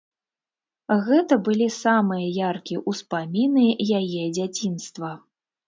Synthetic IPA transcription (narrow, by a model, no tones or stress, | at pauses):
ɣɛt̪ɐbɨlʲisamɨjɐjarkʲiʔuspamʲinɨjajɛd͡zʲat͡sʲinst̪vɐ